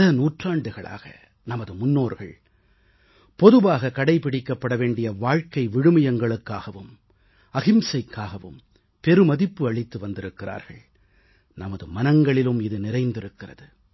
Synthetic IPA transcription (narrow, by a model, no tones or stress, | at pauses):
ɐnuːʈraːɳɖɯɣɐɭa̰ːɣɐ̰ | nɐmɐðɯmʊnːoːɾɣɐ̰ɭ | pɔðɯʋaːɣɐkɐɽɐɪpɪɽɪkːɐpːɐɽɐʋeːɳɖɪjɐʋaːɻkɐɪʋɪɽɯmɐjɐŋɡɐɭɯkːaːɣɐʋɯm | ɐɣɪmsɐɪkːaːɣɐʋɯ̰m | pɛɾɯmɐðɪpːɯɐɭɪt̪ːɯʋɐnd̪ɪɾɯkːɪra̰ːɾɣɐ̰ɭ | nɐmɐðɯmɐnɐŋɡɐɭɪlɯmɪðɯnɪɾɐɪnd̪ɪɾɯkːɪrɐ̰ðɯ